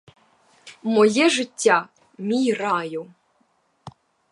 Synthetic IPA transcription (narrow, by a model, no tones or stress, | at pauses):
mojeʐɨtʲːɑ | mʲijrɑju